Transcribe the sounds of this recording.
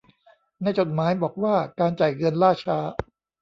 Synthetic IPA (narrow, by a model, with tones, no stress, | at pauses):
na˧jt͡ɕo˨˩t̪̚maː˩˦˥jbɔː˨˩k̚waː˥˩kaː˧nt͡ɕa˨˩jɣɤ˧nɾaː˥˩t͡ɕʰaː˦˥